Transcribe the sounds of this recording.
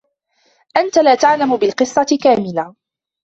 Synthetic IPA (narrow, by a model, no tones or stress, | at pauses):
ʔant̪alaːt̪aʕlamʊbɪlqɨsˤːɑtkaːmɪla